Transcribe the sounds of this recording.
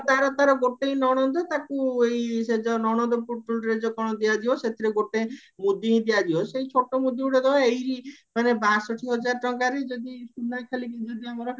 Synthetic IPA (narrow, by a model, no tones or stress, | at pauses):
t̪aɾɔt̪aɾɔɡoʈeinɔɽ̃ɔnd̪ɔt̪akuejsed͡ʒɔnɔɽ̃ɔd̪ɔpuʈːɔlɾed͡ʒokɔɽ̃ɔd̪iad̪ibɔset̪ʰiɾeɡoʈe | mud̪iɦĩd̪ijad̪ibɔsejt͡ʃʰoʈomud̪iuɽed̪ɔbaejɾimanebasɔʈʰiɦɔd͡ʒaɾʈɔŋkaɾed͡ʒɔd̪isud̪akʰalikid͡ʒɔd̪iamɔɾɔ